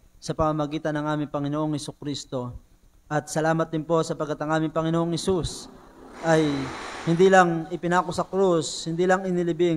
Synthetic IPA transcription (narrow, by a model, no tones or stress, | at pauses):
sɐpɐmamɐɡiːt̪ɐnɐŋʔaːmɪŋpɐŋɪnoʔoŋhɛsʊkɾist̪o̞ | ʔɐt̪̚sɐlaːmɐt̪̚d̪ɪmpo̞sɐpɐɡɐt̪ɐŋʔaːmɪŋpɐŋɪnoʔoŋhɛsusʔɐjhɪnd̪ilɐŋɪpɪnaːkosɐkɾushɪnd̪iːlɐŋɪnɪlɪbɪ